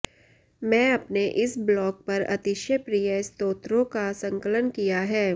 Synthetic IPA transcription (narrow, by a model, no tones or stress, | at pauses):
mɛ̃ːɐpneʔɪsblɔːk̚pɐɾɐ̰t̪ɪʃjəpɾijəɪst̪oːt̪ɾõkasɐ̃ŋkələnkijaɦɛː